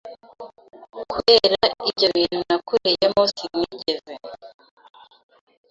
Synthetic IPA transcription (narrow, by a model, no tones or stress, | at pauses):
kuβeɾaibɟo̞βiːnunakuɾejemosimŋiɟeve